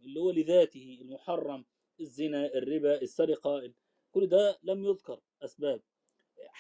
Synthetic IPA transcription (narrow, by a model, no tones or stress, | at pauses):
ʔɪlːihʊwːalɪðaːt̪ɪhɪɪlmʊħɑrˤːɑm | ɪzːɪnaʔɪrːɪbaʔɪsːaɾɪqɑʔɪl | kʊlːd̪aːlamjʊðkɑɾˤ | ʔasbaːb̚